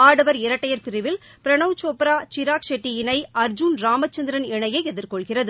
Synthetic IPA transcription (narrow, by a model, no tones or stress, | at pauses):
aːɽɐʋɐɾɪɾɐʈːɐjɐɾpɪɾɪʋɪl | pɪɾɐɳɐʋt͡ʃoːpɾaːt͡ʃɪɾaːkʂɛʈːijɪnɐɪɐɾd͡ʒʊnɾaːmɐt͡ʃːɐnd̪ɪɾɐnɛɳɐjɐɪɛðɪɾkɔɭɣɪrɐðɯ